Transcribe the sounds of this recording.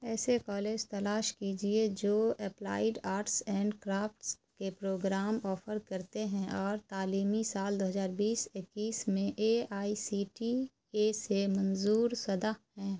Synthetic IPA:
ɛːsekɔːleːd͡ʒt̪ɐlaːʃkiːd͡ʒied͡ʒoːɛpla̰ːɪɖaːɾʈsɛ̃ːɳɖkɾaːpʈskepɾoːɡɾaːmɔːfʰəɾkɐɾt̪eɦɛ̃ʔɔːɾt̪aːliːmisaːld̪oːɦəzaːɾbiːsɪkːiːsmẽʔeaːisiːʈi | esemɐ̃nzuːɾsɐd̪aɦɛ̃ː

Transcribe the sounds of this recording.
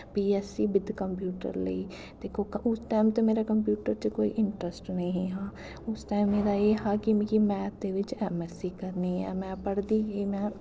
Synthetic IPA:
piːɛːsiːbɪd̪kəmpjuːʈə̰ɾlə̰iː | d̪eːkʰokʔʊsʈaɪmt̪emeːɾakəmp̬juːʈəɾt͡ʃəkoːḭʔɪɳʈɾəsʈnəĩɦãː | ʊsʈaːɪmːeːɾaːeːɦaːkɪmkimɛ̃ːt̪̚d̪eːʋɪt͡ʃɛːmɛsiːkəɾniːɛ̰ːmɛ̃ːpəɽd̪iːɡiːmɛ̃ː

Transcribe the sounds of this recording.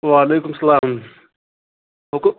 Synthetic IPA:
ʋaːleːkʊmsɐlaːm | ɦok

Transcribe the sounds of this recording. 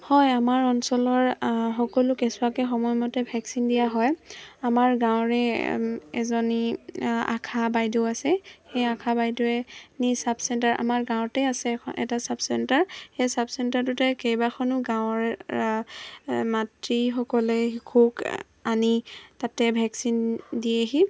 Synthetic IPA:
hɔjamaɹɔnsɔlɔɹxɔkɔlʊkesʊakɛxɔmɔjmɔtɛbʱɛksindijaɦɔjamaɹɡãw̃ɹɛ | ɛ̰zɔnia̰kʰabajdoasɛxejakʰabajdɔɛnisabsɛntaɹʔa̰maɹɡãwʊ̃tɛasɛɔʔɛ̰tasabsɛntaɹxejsabsɛntaɹtutɛkejbaxʰɔnʊɡãw̃ɔɹ | matɹixɔkɔlɛkʰuk | anitatɛbʱɛksindieɦi

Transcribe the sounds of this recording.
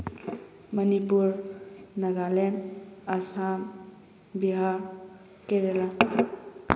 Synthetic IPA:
mənipuɾnaɡalenasam | biɦaɾ | keɾela

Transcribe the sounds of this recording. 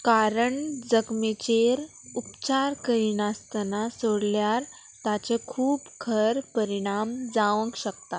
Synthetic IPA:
kaɾəɳd͡zəkmet͡ɕeɾ | upt͡ɕaɾkəɾiːnast̪ənasoɽljaɾ | t̪at͡ɕekʰuːpkʰəɾpəɾiɽ̃amd͡zaʋəŋkɕək̚t̪a

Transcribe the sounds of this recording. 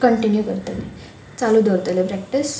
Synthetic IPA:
kəɳʈinjukəɾt̪ele | t͡salud̪ʱoɾt̪elepɾɛk̚ʈis

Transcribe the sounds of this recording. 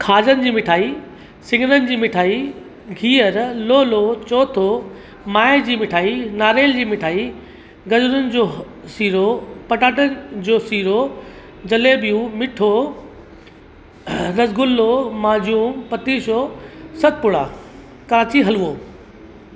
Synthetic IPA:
kʰaːd͡ʑənɪ̆d͡ʑiːmɪʈʰaːi | sɪ̃ŋɡɪnənɪ̆d͡ʑiːmɪʈʰaːi | ɡʱiːəɾloːlot͡ɕoːt̪ʰo | maːed͡ʑiːmɪʈʰaːinaːɾeːld͡ʑiːmɪʈʰaːi | ɡɐd͡ʑʊɾʊnɪ̆d͡ʑoː | siːɾopɐʈaːʈənɪd͡ʑoːsiːɾo | d͡ʑɐleːbijũmɪʈʰo | ɾɐzɡʊlːomaːd͡ʑuːmpɐt̪iːʃoːsɐt̪̚pʊɽa̰ː | kɐɾaːt͡ɕiɦɐluoː

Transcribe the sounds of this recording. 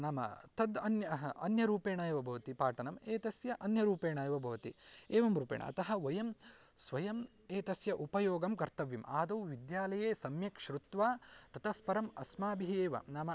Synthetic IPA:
naːmɐ̰t̪ɐd̪ɐnjɐɐnjɐɾuːpeːɳaːjɐʋɐbʱɐʋɐt̪ipaːʈɐnɐmeːt̪ɐsjɐʔɐnjɐɾuːpeːɳaːjɐʋɐbʱɐʋɐt̪ieːʋɐmɾuːpḛːɳɐ̰ɐ̰t̪ɐɦɐʋɐjɐmsʋɐjɐm | eːt̪ɐsjɐʔupɐjoːɡɐmkɐɾt̪ɐʋjɐma̰ːd̪ɐwʋid̪jaːlɐjeːsɐmjɐkʃɾut̪ʋaːt̪ɐt̪ɐfpɐɾɐmɐsmaːbiɦieːʋɐ̰naːmɐ

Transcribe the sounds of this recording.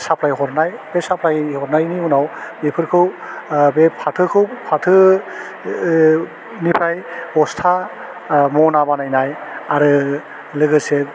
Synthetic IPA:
sapʰlajɦɔɾnajb̥esapʰɾajhɔɾnajniunawbepʰɯɾkʰɯw | bepʰatʰɯkʰɯwpʰatʰɯ | nipʰɾajɔstʰa | mɔnabanajnajaɾɯ | lɯɡɯse

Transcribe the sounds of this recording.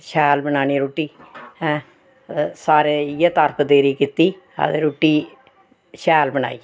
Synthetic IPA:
ʃɛːlbənaːñiːɾoːʈiːɛ̃ː | saːɾeːjet̪əɾpd̪eːɾiːkit̪iː | a̰d̪eɾoːʈiː | ʃɛːlbəna̰ːiː

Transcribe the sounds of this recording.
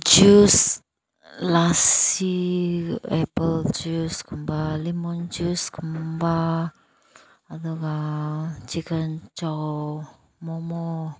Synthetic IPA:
d͡ʒus | lasi | ɛpəld͡ʒuskəmbalimɔnd͡ʒuskəmba | d̪oɡa | t͡ʃikənt͡ʃa | momo

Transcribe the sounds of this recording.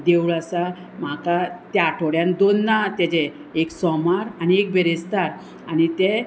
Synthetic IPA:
d̪ewɭasa | m̤akat̪jaːʈʰoɽjãnd̪onːat̪ed͡ʑeː | ksɔmaɾaniek̚bʱeɾest̪aɾ | añit̪e

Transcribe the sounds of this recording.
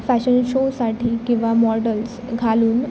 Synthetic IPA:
fæɕənɕosaʈʰiːkĩw̃ʋamɔɾʈəls | ɡʱaluːn

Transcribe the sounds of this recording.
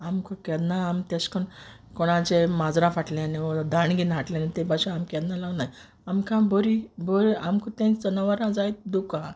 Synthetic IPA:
amkukɛd̪naamt̪askəɳ | kɔɽ̃ad͡ʑemad͡zɾãfaʈleniɔd̪ʱaɳɡinɦaʈlɛ̃anet̪ẽbaɕũamkɛd̪nalaɡnaj | amkãbɔɾiboɾiamkut̪ẽnt͡sənaʋaɾãd͡zajt̪̚d̪ukã

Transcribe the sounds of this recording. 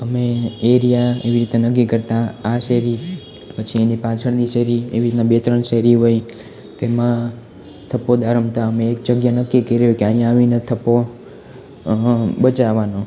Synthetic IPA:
əmeeɾijaḛʋiɾit̪enək̬ːikəɾt̪ãaseɾi | pət͡ʃʰienipat͡ʃʰəɽniʃeɾiḛʋiɾit̪nabet̪ɾəɳseɾiɦoj | t̪emã | t̪ʰəpod̪ʱaɾəmt̪ʰaəmeːk̚d͡ʒəɡjanəkːikəɾjokeaɦjãəʋinet̪ʰəpo | bət͡ʃaʋanõ

